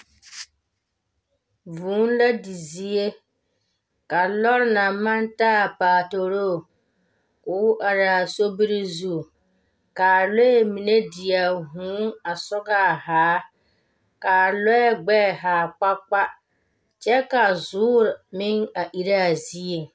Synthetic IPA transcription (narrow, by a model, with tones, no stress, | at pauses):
vuː˨˦n˦la˦di˨zi˦e˦ | ka˨lɔ˦ɾɪ˦na˨ma˦nta˦˨paː˨to˨ɾo˦˨ | kʊː˨˦ʔa˨ɾa˨so˦bi˦ɾɪ˦zuː˦˨ | ka˨lɔ˦ɛ˦˨mi˨ne˦di˨a˨ɦũː˨˦ŋa˨sɔ˦ɡa˦˨haː˨˦ | ka˨lɔ˦ɛ˦˨ɡ͡bɛ˦˨ɦaː˨k͡pa˦k͡pa˦ | t͡ʃɛ˦ka˨zʊː˦ɾmɪ˦ŋa˨ʔi˨ɾa˦a˨zi˦e˨